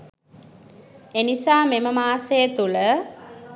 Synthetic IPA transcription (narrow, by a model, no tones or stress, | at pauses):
enisaːmeməmaːsejət̪ulə